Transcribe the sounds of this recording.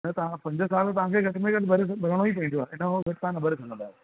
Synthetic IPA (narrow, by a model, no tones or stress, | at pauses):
nət̪ɐãpɐ̃ɲd͡ʑəsaːlt̪ɐʋ̤ãkʰeɡʱɐʈmẽɡɐɗbʱɐɾesbʱɐɾəɽ̃õipɐ̃ĩd͡ʑoaːʔɪnəoɡʱɐʈɪt̪aãnɐbəɾesʰɐ̃ŋɡə̃nd̪aːe